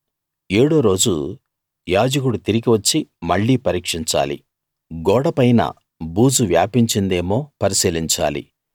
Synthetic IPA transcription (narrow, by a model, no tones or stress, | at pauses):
eːɽoːɾo̞ːd͡ʒu | jaːd͡ʒɐk̬uɽut̪iɾiɡiʋɐt͡ʃːimɐɭːiːpɐɾiːkʂiɲt͡ʃa̰ːlḭ | ɡɔːɽɐpɐjnɐ̰ | buːd͡ʒuʋjaːpiɲt͡ʃind̪e̞ːmo̞ːpɐɾisiːliɲt͡ʃa̰ːlḭ